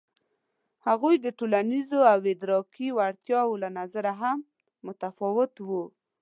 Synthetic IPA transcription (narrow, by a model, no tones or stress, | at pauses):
haɣujd̪əʈolanizoawed̪ɾɑkiwaɽt̪jɑwolanazaɾaɦamː | ʊt̪afɑwɪt̪wu